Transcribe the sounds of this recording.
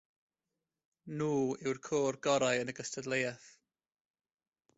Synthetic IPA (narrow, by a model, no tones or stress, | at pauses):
nuːɪwrkʰoːrɡɔɾajənəɡəstʰədlejɛθ